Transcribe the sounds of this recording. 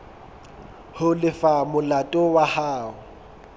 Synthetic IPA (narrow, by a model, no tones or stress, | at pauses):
hʊlɪfamʊlatʼʊwahaːʊ